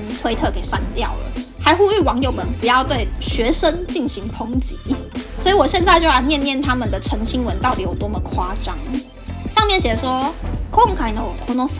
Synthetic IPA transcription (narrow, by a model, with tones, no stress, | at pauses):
t̪we˥ɪt̪ʰɤ˥˨˩ke˨˩ɪʂa̰˥˩nt̪jɑ˥˨ʊlə̰˩ha˧˥ɪxu˥y˥˩wɑ˧˥ŋjo˨˩ʊmə˧˦npu˨˥jɑ˥˧ʊt̪we˥˩ɪɕɥɛ˧˥ʂə˦nt͡ɕi˥˩ŋɕi˨˥ŋpʰo˥ŋt͡ɕi˧˦swɔ˧˥i˨wɔ˨˩ɕjɛ˥˧nt͡sa˥˧ɪt͡ɕjo˥˧ʊa˧˥ɪnjɛ˥˧˨nːjɛ˥˨nt̪ʰa˥mə˨nd̪ə˩ʈ͡ʂʰə˧˥ŋt͡ɕʰi˥ŋwə˧˦nt̪ɑ˥˩ʊt̪i˨˥jɔ˨˩t̪wɔ˥mə˨kʰwa˥ʈ͡ʂɑ˥ŋ | ɕɑ˥˧ŋmjɛ˥˨nɕjɛ˨˩ʂwɔ˥kʰo˥˨ŋkʰa˥˩ɪnə˨wɔ˨˩kʰo˥no˥